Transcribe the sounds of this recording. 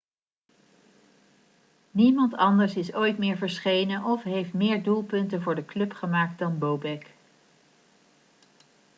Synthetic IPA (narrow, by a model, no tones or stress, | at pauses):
nimɑntɑndəɹsɪsojtmɪːɹvəɹsχejnənʔɔfɦejftmɪːɹdulˠpɵntənvʊːɹdəklɵpχəmaːk̚t̚dɑnbowbɛk